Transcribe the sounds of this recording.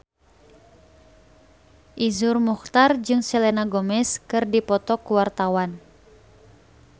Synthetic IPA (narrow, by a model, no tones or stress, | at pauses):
ʔizurmuxt̪ard͡ʒɨŋsɛlɛnaɡɔmɛskɨrdipɔt̪ɔkuwart̪awan